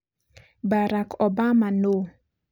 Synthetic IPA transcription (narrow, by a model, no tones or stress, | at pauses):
baɾakɔbamano